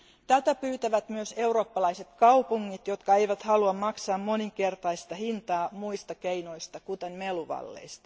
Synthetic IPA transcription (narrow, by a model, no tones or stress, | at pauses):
t̪æt̪æpyːt̪æʋæt̪myøse̞uro̞ːpːɑlɑise̞t̪kɑupuŋːit̪jo̞t̪kɑejʋæt̪hɑluɑmmɑksɑːmmoniŋke̞rt̪ɑist̪ɑhint̪ɑːmuist̪ɑkeino̞ist̪ɑkut̪enmeluʋɑ̰lːḛjst̪ɑ̥